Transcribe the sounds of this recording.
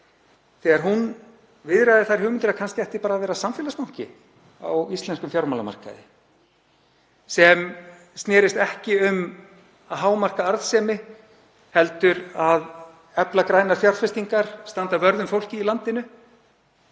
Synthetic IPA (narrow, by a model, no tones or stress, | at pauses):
θɛːɣaɾɦun | vɪðɾajðɪθaɾ̥ɦʏːɣmɪnt̪ɪɾakʰansc̪ɛht̪ɪpaːɾaːðvɛːɾasamfɪːlaspaw̥cɪ̰ | a̰wist̪lɛnskʏmfjawɾmalama̰r̥ka̰ðɪ̰ | sɛm | st̪nɛːɾɪst̪ɛhcɪʏm | aðɦaːwmar̥kaaɾðsɛːmɪ | hɛlt̪ʏɾað | ɛplakɾaːjnaɾ̥fjawɾfɛst̪iŋkaɾ̥st̪ant̪avœɾðʏmfowl̥cɪːlant̪ɪnʏ